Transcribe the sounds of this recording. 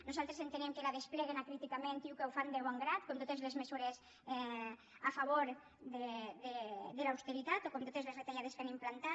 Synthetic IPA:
nuzalˠt̪ɾesent̪enɛmkelaðesplɛɣenakɾit̪ikamẽnt̪iwkewfand̪eβ̞oŋɡɾat̪komt̪ot̪ezlezmezuɾes | ɛ | afaβoɾ | ðeðeðelawst̪eɾit̪at̪okomt̪ot̪ezlezret̪eʎaðeskanimplant̪a

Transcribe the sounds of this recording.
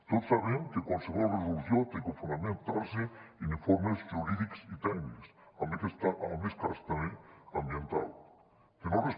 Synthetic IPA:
t̪oðsaβeŋkekonseβolreðuluθjont̪ekofund̪amẽnt̪aɾseenĩfoɾmesʝuɾiðiksit̪ɛkniksamsaʔameskast̪ameambjent̪a̰l | kenores

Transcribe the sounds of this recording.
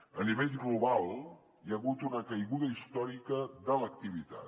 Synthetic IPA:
əniβeʎɣluβalˠ | iəɣut̪unəkəjɣuðəist̪ɔɾikəðələk̚t̪iβ̞it̪a̰t̪

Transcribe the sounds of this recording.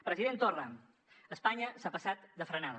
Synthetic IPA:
pɾəziðent̪ora | əspaɲəsapəsat̪d̪əfɾənaðə

